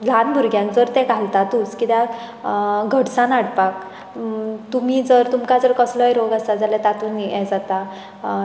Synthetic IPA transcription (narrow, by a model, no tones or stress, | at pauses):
lʱanbʱuɾɡjãnd͡zəɾt̪ɛ̃ɡʱalt̪at̪uːskit̪ja | ɡʱəɽsãnaɽpak | t̪um̤iːd͡zəɾt̪umkad͡zəɾkəsləjɾoɡasad͡zalat̪at̪unjɛd͡zat̪a